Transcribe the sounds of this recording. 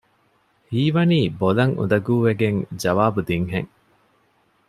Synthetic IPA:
hiːʋɐniːbolɐŋṵd̪ɐɡuːʋeɡeŋd͡ʒɐʋaːbud̪iŋɦḛŋ

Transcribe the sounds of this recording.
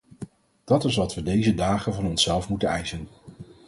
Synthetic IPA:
d̥ɑtɪsʋɑtʋədejzədaːχənvɑnɔnsɛlˠfmutənɛjsən

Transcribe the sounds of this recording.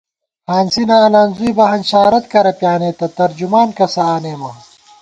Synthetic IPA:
haːnsinɐːlaːnzuibɐɦɐnɕaːɾɐt̪kɐɾɐpʲjaːneːt̪ɐt̪ɐɾd͡ʑumaːnkɐsɐaːneːmɐ

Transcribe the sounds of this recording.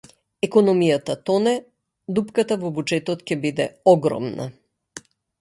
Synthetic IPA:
ɛkɔnɔmijat̪at̪ɔnɛ | d̪upkat̪avɔbud͡ʒɛt̪ɔt̪cɛbid̪ɛ̰ɔɡɾɔ̰mna̰

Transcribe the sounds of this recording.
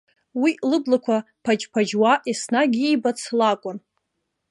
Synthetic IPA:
wilɨblakʷʰa | pʰad͡ʒpʰad͡ʒwaʔisnaɡʲiibat͡sʰlakʷʼʊn

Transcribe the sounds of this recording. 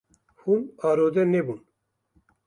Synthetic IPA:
humaːɾoːd̪ɛnebun

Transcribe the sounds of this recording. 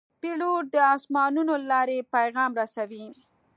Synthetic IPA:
piloʈ̚d̪əɑsmɑnunolɑɾepajɣɑmɾasawi

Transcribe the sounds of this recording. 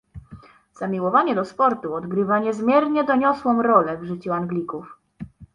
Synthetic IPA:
z̥amʲiwɔvaɲɛd̪ɔspɔɾt̪uɔd̪ɡɾɘvaɲɛzmʲjɛɾɲɛd̪ɔɲɔswɔmɾɔlɛvʐɘt͡ɕuaŋɡlʲikuf

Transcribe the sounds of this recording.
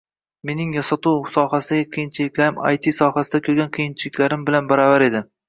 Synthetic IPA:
me̞nɪŋjɒsat̪ʰuwsɒhasɪd̪aɡʲɪqʰijɪnt͡ʃʰɪlɪkʲlaɾɪma̰jt̪ʰisɒhasɪd̪akʰʲɵɾɡʲanqʰijɪnt͡ʃʰɪlɪkʲlaɾɪmbɪlanbaɾavaɾe̞d̪ɪ

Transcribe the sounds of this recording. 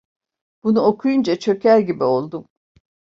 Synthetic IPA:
b̥unuo̞kʰujund͡ʒat͡ʃʰøcʰæɾɟibio̞lˠd̪um

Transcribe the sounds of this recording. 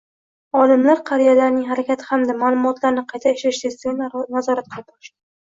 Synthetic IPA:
ɒlˠɪmlaɾqʰɑɾijalaɾnɪŋɦaɾakʲat̪ʰɪ̥hamd̪amaːlˠʊmʊɒt̪ʰlaɾɪnɪqʰɑjt̪ʰaɪʃlaɪʃt̪est̪ɪɡʲannazɒɾat̪̚qʰɨlˠp̚ɒɾʃt̪ɪ

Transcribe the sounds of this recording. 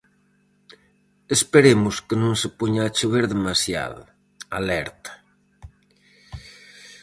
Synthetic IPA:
espeɾemʊskɪnõŋsepoɲaːt͡ʃeβeɾðemasja̰ðʊ̰ | alɛɾt̪ḁ

